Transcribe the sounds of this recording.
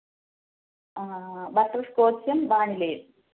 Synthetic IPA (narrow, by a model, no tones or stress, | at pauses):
bɐʈːrɐskoːt͡ɕːjɐmbaːɳilɐjum